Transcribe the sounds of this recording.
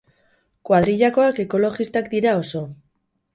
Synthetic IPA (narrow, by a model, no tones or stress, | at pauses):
kwaðɾiʎako̞ake̞ko̞lo̞ɣist̪akd̪iɾao̞so̞